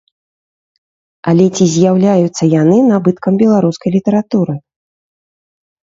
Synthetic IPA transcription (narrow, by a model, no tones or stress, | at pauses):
ɐlʲɛt͡sʲizʲjawlʲajut̪sːɐjanɨnabɨt̪kɐmbʲɛlˠaɾuskɐjlʲit̪ɐɾat̪uɾɨ